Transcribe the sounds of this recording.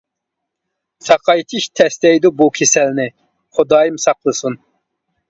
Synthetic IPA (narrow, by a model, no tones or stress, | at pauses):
sɑqʰɑjt̪ʰiʃt̪ʰɛst̪ɛjd̪ubukʲʰesɛlnɪ | χʊd̪ɑːjimsɑqlˠəsun